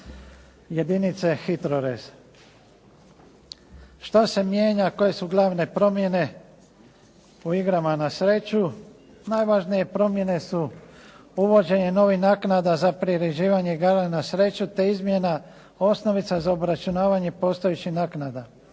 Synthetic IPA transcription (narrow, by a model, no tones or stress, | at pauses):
je̞d̪init̪sexit̪ɾoɾez̥ | ʃt̪ose̞mje̞ːɲako̞je̞suɡlˠaːʋne̞pɾo̞mje̞ne̞ | uiɡɾamanasɾe̞t͡ʃu | najʋaʒnije̞pɾo̞mje̞ne̞su | uʋo̞d͡ʑe̞ɲe̞no̞ʋixnaːknad̪azapɾiɾed͡ʒiːʋaɲeɡaɾlenasɾe̞t͡ʃut̪e̞izmjena | o̞sno̞ʋit̪sazaobɾat͡ʃunaːʋaɲe̞po̞ːst̪ojet͡ɕihnaːknad̪a